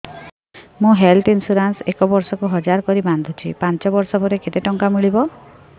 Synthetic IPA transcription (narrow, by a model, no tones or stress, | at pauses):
mũɦelt̪insuɾansekɔbɔɾsɔkuɦɔd͡ʒaɾkɔɾiband̪ʱut͡ʃʰḭpant͡ʃɔbɔɾsɔpɔɾeket̪eʈɔŋkamiɭibɔ